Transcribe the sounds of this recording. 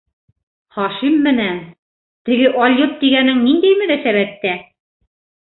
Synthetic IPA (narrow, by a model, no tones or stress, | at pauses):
χɑʃimːɘ̆næn | t̪ɘ̆ɡɘʔɒlʲjɤt̪̚t̪iɡænɘŋnind̪æjmɘ̆næsæβæp̚t̪æ